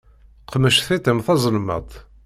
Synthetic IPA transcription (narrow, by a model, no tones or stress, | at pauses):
qʰəməʃθit̪əmθɑzˤəlmə̰d̪ˤ